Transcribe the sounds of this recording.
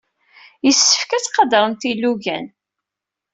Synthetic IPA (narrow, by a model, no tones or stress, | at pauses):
jəsːə̥fkæt͡sqɑd̪əɾˤənt̪ilːuʝæ̰n